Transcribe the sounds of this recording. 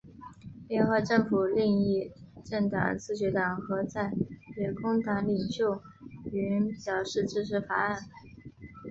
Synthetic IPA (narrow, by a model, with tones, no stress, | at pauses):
ljɛ˥˧nxɤ˥˧ʈ͡ʂɤ˥˩ŋfu˨˩li˥˧ŋi˥˧ʈ͡ʂɤ˥˩ŋt̪ɑ̰˨˩ŋt͡sʰɹ̩˥˩ɕɛ˧˥t̪ɑ˨˩ŋxɤ˧˥t͡sa˥˩ɪjɛ˨˩kʰʊ˥ŋt̪a˧˥ŋli˨˩ŋɕjo˥˩ʊ | y˧˥nɕjɑ˨˩ʊʂɻ̩˥˩ʈ͡ʂɻ̩˥ʂʰɻ̩˧˥fa˨˧˩a˥˩n